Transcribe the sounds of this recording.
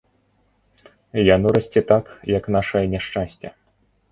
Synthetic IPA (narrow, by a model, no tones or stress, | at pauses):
janɔɾɐsʲt͡sʲɛt̪akjɐknaʂɐjɐnʲaʂt͡ʂasʲt͡sʲɐ̰